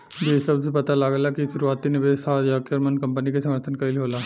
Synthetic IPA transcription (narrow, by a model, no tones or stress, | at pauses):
besɐbsepɐt̪alaːɡlakiʃʊɾuaːt̪ːinɪʋeːsajakɾmənkɐ̃mpənikesɐ̃məɾt̪ʰənkɐɾiliɦoːlaː